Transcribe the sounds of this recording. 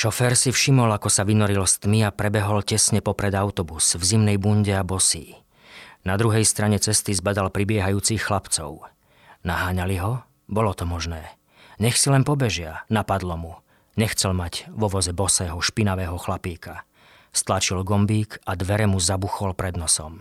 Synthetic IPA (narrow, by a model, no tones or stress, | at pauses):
ʃɔfɛːɾsifʃimɔlakɔsaʋinɔɾilɔst̪miapɾɛbɛɦɔlcɛsɲɛpɔpɾɛd̪aʊt̪ɔbusvzimnɛjbuɲɟɛabɔsiː | nad̪ɾuɦɛjst̪ɾaɲɛt͡sɛst̪izbad̪alpɾibɪɛɦajuːt͡sixːlapt͡sɔ̰ʊ | naɦaːɲaliɦɔ | bɔlɔt̪ɔmɔʒnɛː | ɲɛxsilɛnpɔbɛʒɪanapad̪lɔmu | ɲɛxt͡sɛlmaɟʋɔʋɔzɛbɔsɛːɦɔʃpinaʋɛːɦɔxlapiːka | st̪lat͡ʃilɡɔmbiːkʰad̪ʋɛɾɛmuzabuxɔlpɾɛd̪nɔsɔ̰m